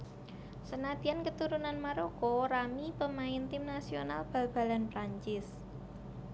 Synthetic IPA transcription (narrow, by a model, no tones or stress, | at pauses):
sənad̪̥i̤ankət̪uɾunanmaɾokɔɾamipəmaɪnt̪ɪmnasio̰nalb̥a̤b̥a̤lanpɾaɲt͡ʃɪs